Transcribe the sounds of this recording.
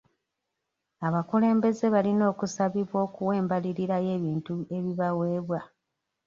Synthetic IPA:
aβakule̞ːmbe̞ze̞βalino̞ːkusaβiβwo̞ːkuwe̞ːmbaliɾiɾajeβiːntue̞βiβawe̞ːβwa

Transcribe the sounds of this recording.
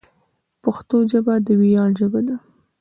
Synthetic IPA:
pəxt̪od͡ʒabad̪əwijɑld͡ʒəɡad̪a

